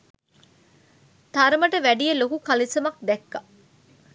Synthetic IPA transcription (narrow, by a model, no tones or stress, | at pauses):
t̪ɐɾɐmɐʈɐʋæɖijɐlokukɐlisɐmɐk̚d̪ɛkːɐ